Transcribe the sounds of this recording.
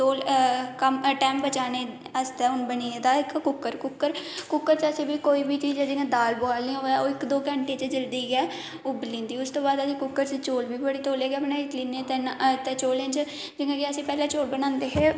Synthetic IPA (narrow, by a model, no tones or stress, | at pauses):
t̪oːlkəmʈɛːmbət͡ʃaːneː | əst̪ɛːʊnbəniːed̪aːɪkkʊkːəɾkʊkːəɾkʊkːəɾt͡ʃəsĩːbiːkoːiːbiːt͡ʃiːd͡ʒɛːd͡ʒɪŋɡãːd̪aːlboaːlniːõːɛːoːɪkd̪oːkəɳʈeːt͡ʃəd͡ʒəld̪iːɡɛː | ʊblĩːnd̪iːʊst̪oːbaːd̪əsĩːkʊkːəɾt͡ʃt͡ʃoːlbiːbəɽiːt̪oːleːɡeːəpneːkliːneːt̪ent̪eːt͡ʃoːlẽnt͡ʃ | d͡ʒɪŋɡãːkeəsĩːpɛːlãːt͡ʃoːɽbənãːnd̪eːɦɛː